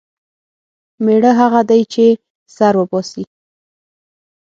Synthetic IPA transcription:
meɽəɦaɣad̪ajt͡ʃe | saɾwəbɔsi

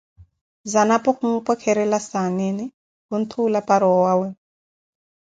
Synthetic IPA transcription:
zanapɔχumupʼɔkʰɛɾɛlasaneni | ɦun̩t̪ʰulapaɾɔɔwaːwɛ

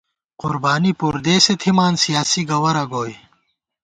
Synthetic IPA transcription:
qʊɾbaːnipuɾd̪eːset̪ʰimaːnsijaːsiɡɐwɐɾɐɡoːj

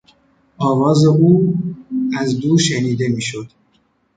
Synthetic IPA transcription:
ʔɒːvɒːze̞uː | æzd̪uːɾʃeniːd̪e̞miːʃod̪̥

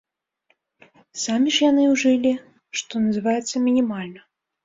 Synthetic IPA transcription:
samʲiʂjanɨwʐɨlʲi | ʂt̪ɔnɐzɨvajɛt̪sːɐmʲinʲimalʲnɐ

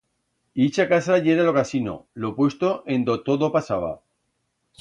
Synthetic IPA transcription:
it͡ʃakasaʝeɾalokasino̰lopwe̞st̪oʔend̪ot̪oðopasaβ̞a̰

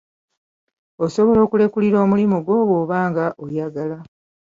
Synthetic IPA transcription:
osoβo̞lo̞ːkule̞kuliɾo̞ːmulimuɡwo̞ːβo̞ːβaːŋɡaʔojaɡala

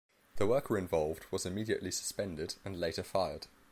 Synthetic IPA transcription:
ðəwɜˑkəɹɪ̃ɱvɒlˠvdwɒzɪmiːdiə̰ʔlisə̥spɛ̃ndɪdə̃nleɪtəfaɪəd̥

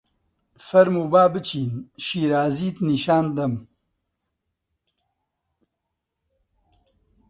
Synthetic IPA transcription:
fɐɾmuːbaːbɨt͡ʃʰiːnʃiːɾaːziːt̪niːʃaːnd̪ɐm

